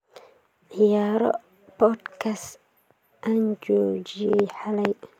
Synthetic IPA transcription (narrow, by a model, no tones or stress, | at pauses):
ʔijaːɾɔ̰ | pɔdkas | ʔand͡ʒoːd͡ʒieħalaj